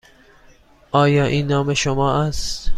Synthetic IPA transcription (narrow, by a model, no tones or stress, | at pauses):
ʔɒːjɒːʔĩːnːɒːmeʃomɒːʔæst̪